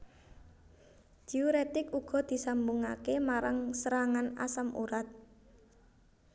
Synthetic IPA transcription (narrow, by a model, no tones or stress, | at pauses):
d͡ʒ̥iuɾet̪ɪkuɡ̥ɔ̤d̪̥i̤sambuŋakemaɾaŋsəɾaŋana̰samʔṵɾat̪̚